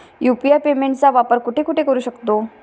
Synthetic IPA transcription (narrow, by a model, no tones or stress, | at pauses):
jupijaɾpemẽɳʈt͡saʋapəɾkuʈʰekuʈʰekəɾuːɕəkt̪o